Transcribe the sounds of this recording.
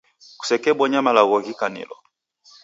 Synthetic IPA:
ku̥sɛkɛbɔɲamalaɣɔɣikanḭlɔ

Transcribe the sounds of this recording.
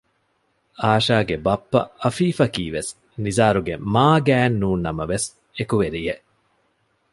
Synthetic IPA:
aːʃaːɡebɐpːɐ̰ɐfiːfɐkiːʋes | nizaːɾuɡemaːɡæːnːuːnːɐmɐʋes | ekuʋeɾijeʔ

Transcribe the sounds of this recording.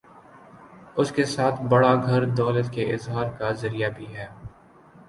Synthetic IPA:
ʊskesaːt̪ʰbɐɽaɡʱɐɾd̪ɔːlət̪keʔɪzɦaːɾkazɐɾijabʱiɦɛː

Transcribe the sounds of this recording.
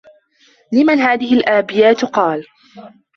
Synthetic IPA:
lɪmanɦaːðɪhɪlʔaːbɪjaːt̪qɑːl

